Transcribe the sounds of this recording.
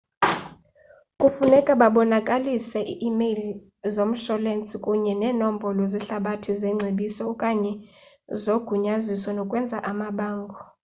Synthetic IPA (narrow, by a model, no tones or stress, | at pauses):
kʼufunɛkʼaɓaɓɔnakʼalisɛʔiʔːmeli | zom̩ʃɔlent͡sʼikʼuɲɛnɛːnom̩bʱɔlɔziɬaɓatʰizɛŋ͡ǀʱeɓisɔukʼaɲɛ | zoɡ̥ʱuɲazisɔnɔkʼwɛnd͡zʱaʔamaɓaːŋɡʱɔ